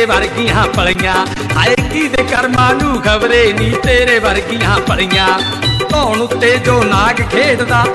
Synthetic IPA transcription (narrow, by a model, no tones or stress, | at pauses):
ʋəɾɡɪjãːpəɭijãː | aːeːkiːd̪eːkəɾmaːnũːɡʱəʋɾeːnĩːt̪eːɾeːʋəɾɡɪjãːpəɭɪjãː | t̪oːnʊt̪ːeːd͡ʒoːnaːkkʰeːt̪d̪aː